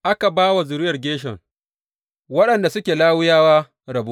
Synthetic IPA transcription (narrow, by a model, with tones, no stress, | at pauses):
ʔa˦ka˨baː˦wa˨zʊ˨ɾɪ˦jɐ˨rɡʲeː˦ʃɛ̰˨ŋ | wɐ˦ɗɐ˨nda˨sʊ˦kʲeː˨laː˦wʊ˦jaː˦waː˦ | ɾɐ˨bu˦